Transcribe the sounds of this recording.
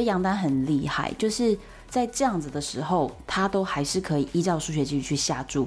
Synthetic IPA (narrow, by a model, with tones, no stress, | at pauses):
jɑ˧˥ŋt̪a˥nxə˨˩nli˥˧xa̰˥˩ɪt͡ɕjo˥˧ʊʂɻ̩˥˧ | t͡sa˥˧ɪʈ͡ʂɤ˥˧jɑ˥˩ŋd͡z̩˨d̪ə˩ʂɻ̩˧˥xo˥˩ʊt̪ʰa˥t̪o˥ʊxa˧˥ɪʂɻ̩˥˩kʰɤ˧˦i˨˩ʔi˥ʈ͡ʂɑ˥˧ʊʂu˥˩ɕ̬ɥɛ˧t͡ɕi˥˩y˧t͡ɕʰy˥˧˩ɕja˥˧ʈ͡ʂu˥˩